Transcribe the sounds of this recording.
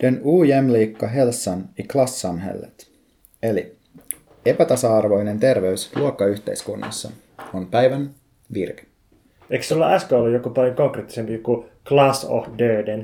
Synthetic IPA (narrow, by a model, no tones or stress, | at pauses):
d̪̥enuːjæmliːkːɑɦe̞lsːoniklɑsːɑnɦḛlːḛt̪ | eli | e̞pæt̪ɑsɑɑrʋo̞jne̞nt̪e̞rʋe̞ysluokːɑyçt̪e̞̰iskunːɑ̰sːɑ̰ | ompæjʋæn | ʋirke̥ | eiksulːɑɑskæolːujokupɑljokoŋkreːt̪ːi̥sempijokuklɑso̰hdøːden